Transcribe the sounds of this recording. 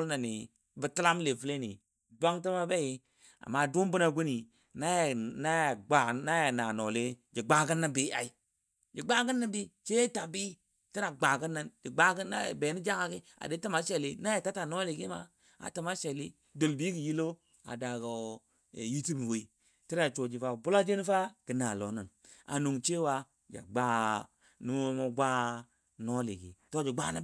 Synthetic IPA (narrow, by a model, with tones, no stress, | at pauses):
lna˨ni˨ | bi˨ti˦la˦m˦le˨fu˦le˦nḭ˨ | dʷa˦ŋti˦ma˦be˦ji˦ | a̰˨mːa˦˨du˦m˦bu˦na˨ɡu˦ni˨ | na˦jna˦ja˨ɡ͡ba˨na˦ja˨na˨no˨le˦d͡ʒi˨ɡ͡ba˦ɡi˦na˦bi˦a˨i˨ | d͡ʒi˨ɡ͡ba˦ɡə˦nːa˦bi˦t͡ʃe˦ta˨bi˦ | ti˦na˨ɡ͡ba˨ɡə˦nːa˦nd͡ʒi˨ɡ͡ba˦ɡə˦a̰˦˨be˨ni˦d͡ʒa˦ŋa˨ki˦ | a̰˨de˨˦ta˦ma˨ʃe˨li˦na˦je˨ta˦ta˨no˦li˨ɡi˦ma˦ | a̰˨ta˨ma˦ʃe˨li˦ | do˨lbi˦ɡi˨ji˦lo˦ | a̰˨da˨ɡo̰˨ | ji˦ti˦mi˨wo˨i˨ | ti˦ɾa˨t͡ʃo˨d͡ʒi˨fa˨bu˦la˦d͡ʒe˦n˦fa˦kə˨na˨lo˨˦nə˨n | a̰˨nu˨ŋt͡ʃe˦wa˦ | d͡ʒa̰˨ɡ͡ba˦ | nu˦mo˦mo˦ɡʷa˦ | no˦lḭ˨ɡḭ˨to˦d͡ʒi˨ɡ͡ba̰˦na˦